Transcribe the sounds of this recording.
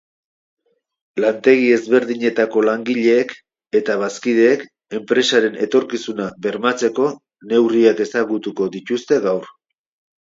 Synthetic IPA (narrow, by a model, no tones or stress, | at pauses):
lant̪e̞ɣ̞ie̞zβe̞ɾðiɲe̞t̪ako̞laŋɡiʎe̞ːk | et̪aβ̞askið̞e̞ːk | e̞mpɾe̞saɾe̞nʔe̞̰t̪o̞ɾkisunaβe̞ɾmat͡se̞ko̞ | ne̞wriake̞saɣut̪uko̞d̪it̪ust̪e̞ɣawr